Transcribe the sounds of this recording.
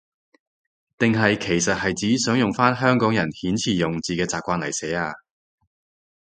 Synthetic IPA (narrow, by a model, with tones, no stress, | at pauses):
t̪ɪ˨ŋɦɐ˨jkʰe˨˩jsɐ˨t̚hɐ˨jt͡siː˨˥sœː˨˥ŋjʊ˨˩ŋfaː˥nɦœː˥ŋkɔː˨˥ŋjɐ˨˩nhiː˨˥nt͡sʰiː˨˩jʊ˨ŋt͡siː˨kɛː˧t͡saː˨p̚kʷaː˧nlɐ˨˩jsɛː˨˥aː˧